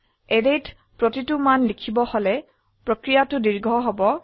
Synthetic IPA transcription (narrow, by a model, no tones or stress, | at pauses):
ɛdet | pɹotitumanlikʰibɔholɛ | pɹokɹijatʊdiɹɡʱɔɦobɔ